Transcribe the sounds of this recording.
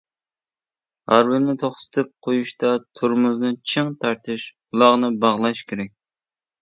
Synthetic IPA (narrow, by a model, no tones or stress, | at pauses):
hɑ̰ɾwɪlmɪt̪ʰoχt̪ʰɨ̥t̪ʰɨp̚qʰojuʃt̪ɑt̪ʰuɾmʊznɨt͡ʃʰɨŋt̪ʰɑɾt̪ʰɪʃ | ulˠɑʁnɨbɑʁlˠɑʃkʲʰeɾɛk̚ʲ